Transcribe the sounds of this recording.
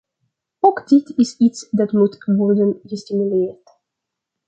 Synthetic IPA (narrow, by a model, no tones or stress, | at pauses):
ɔkdɪtʰɪsitsdatmutvɔɹdənɡəstimjuleːɹt